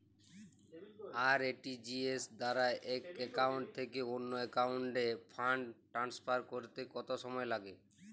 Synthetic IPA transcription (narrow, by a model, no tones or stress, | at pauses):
aɾeʈid͡ʑiesd̪aɾaeʔɛkekauɳʈ̚t̪ʰekeonːoekawuɳʈepʰaɳɖʈɾanspaɾkoɾt̪ekɔt̪oʃɔmɔelaɡe